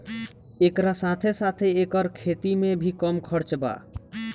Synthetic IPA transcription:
ekɾasat̪ʰesat̪ʰeekəɾkʰet̪imebʱikəmkʰəɾt͡ʃba̰

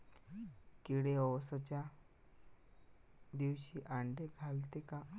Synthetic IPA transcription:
kiɽeɔwsɔt͡ɕa | d̪iwɕiʔaɳɖeɡʱalt̪eka

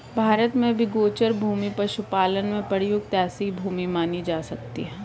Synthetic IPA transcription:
bʱaːɾət̪mẽbʱiɡoːt͡ʃəɾbʱuːmipɐɾʃʊpaːlənmẽpəɽjʊɡt̪ɛːsibʱuːmimaːnid͡ʒaːsɐk̚t̪ḭɦɛ̃ː

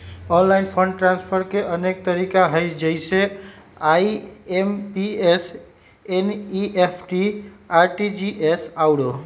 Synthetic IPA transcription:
ɔnlajnpʰəɳɖʈɾanspʰəɾkeʔənek̚t̪əɾikaɦəjd͡ʒəɪse | aiempies | eniʔepʰʈiaɾʈid͡ʒiʔesawɽo

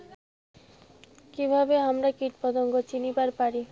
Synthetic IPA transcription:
kibʱabeamɾakiʈpɔd̪ɔŋɡɔt͡ɕinibaɾpaɾi

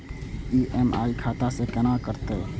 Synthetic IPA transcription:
iːʔema̰ːikʰaːt̪asekənakəɾt̪e

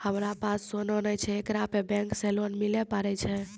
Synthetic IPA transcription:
həmɾapasːonɔnət͡ʃʰɛekɾapebɛ̃ŋksɛlonmilɛpaɾɛt͡ʃʰɛ

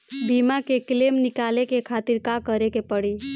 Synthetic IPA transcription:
bimakeklemnɪkaːlekekʰaːt̪iɾkakəɾekepəɽi

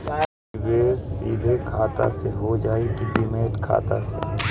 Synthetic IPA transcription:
beːɾsḭːd̪ʱekʰaːt̪a̰seɦod͡ʒaːekipɪmeːt̪kʰa̰ːt̪a̰sḛ

